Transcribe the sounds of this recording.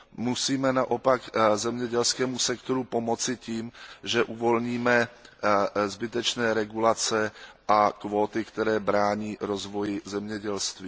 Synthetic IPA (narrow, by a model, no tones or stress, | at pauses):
musiːmɛnaʔo̞pakzɛmɲɛɟɛlskɛːmusɛkt̪o̞ɾupo̞mo̞t͡sɪciːmʒɛʔuvo̞lɲiːmɛ | zbɪt̪ɛt͡ʃnɛːɾɛɡulat͡sɛʔakvoːt̪ɪkt̪ɛɾɛːbɾaːɲiːɾozvo̞jɪzɛmɲɛɟɛlst̪viː